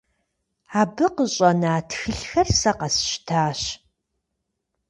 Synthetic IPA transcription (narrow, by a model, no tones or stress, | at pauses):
aːbɨqəɕʼɐnaːtxɨɬxɐrsɐqɐsʃtʰaːɕ